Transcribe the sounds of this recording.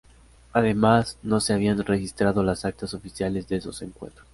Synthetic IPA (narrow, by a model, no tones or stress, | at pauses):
aðe̞mazno̞se̞aβianre̞xist̪ɾaðo̞lasak̚t̪aso̞fisjale̞zðeeso̞se̞ŋkwḛ̃nt̪ɾos